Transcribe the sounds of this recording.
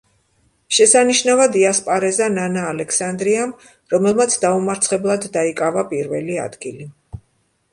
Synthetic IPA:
ʃɛsaniʃnavad̪iaspʼaɾɛzananaːlɛkʰsand̪ɾiam | ɾɔmɛlˠmat̪sʰd̪aumaɾt̪sʰχɛblˠad̪ːaikʼavapʼiɾvɛlia̰d̪ɡili

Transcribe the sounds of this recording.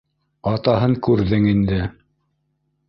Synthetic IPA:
ɑt̪ɑɦɤŋkʉɾðɘŋind̪ɘ

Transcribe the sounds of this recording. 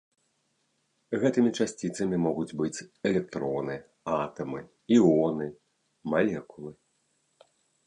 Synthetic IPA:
ɣɛt̪ɨmʲit͡ʂasʲt͡sʲit̪sɐmʲimɔɣud͡zʲbɨt͡sʲɛlʲɛk̚t̪ɾɔnɨ | at̪ɐmɨ | iɔnɨ | malʲɛkulˠɨ

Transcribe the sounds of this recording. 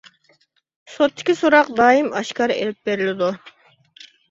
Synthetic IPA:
sot̪ʰːɪ̥kʲʰisoɾɑq̚d̪ɑːjimɑʃkɑɾḛlɪp̚beɾɪlɪd̪u

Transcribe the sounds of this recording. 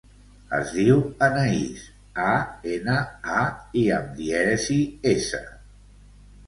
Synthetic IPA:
ə̰zðiwənəis | aenəaiəmd̪iɛsiesə̰

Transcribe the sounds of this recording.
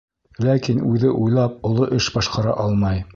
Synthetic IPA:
lækinʉðɘʔujlˠɑp̚ŏlˠoʔɘʃbɑʃqɑɾɑ̰ʔɑlˠmɑj

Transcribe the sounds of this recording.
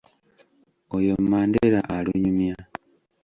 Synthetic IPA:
ojommaːndeɾaʔaluɲumja

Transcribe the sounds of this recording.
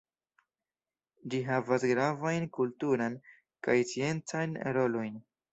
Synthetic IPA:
d͡ʒiɦavasɡɾavajnkultuɾan | kajt͡sie̞nt͡sajnɾo̞lo̞jn

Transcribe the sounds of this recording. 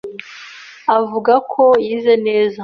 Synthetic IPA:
avuɡakʰo̞jiːzene̞ːza

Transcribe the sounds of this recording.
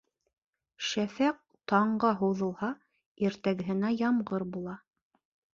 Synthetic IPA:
ʃæfæq̚t̪ɑɴɢɑɦuwðɤ̆lˠhɑ | iɾt̪æɡɘ̆ɦɘ̆næjɑmɢɤɾbulˠɑ

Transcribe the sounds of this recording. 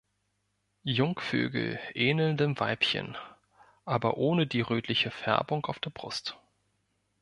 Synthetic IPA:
jʊŋkfø̰ːɡl̩ʔɛːnl̩ndəmva̰ɪpçə̰n | ʔaːbɐʔoːnədiːʁøːtʰlɪçəfɛ̰ɐbʊŋkaʊfd̥eːɐbʁʊ̰st

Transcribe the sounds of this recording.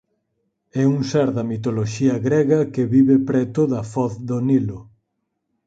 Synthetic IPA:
ɛuŋsɛɾðɐmit̪oloʃiɐɣɾɛɣɐkeβiβepɾɛt̪ʊðɐfɔθðonilʊ

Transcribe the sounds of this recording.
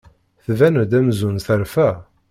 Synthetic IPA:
θvænd̪æmzunθəɾfæ

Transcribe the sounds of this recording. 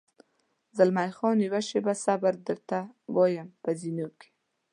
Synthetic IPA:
zəlmajxɔniwaʃebasabaɾd̪əɾt̪awɑjəmpəzinoke̥

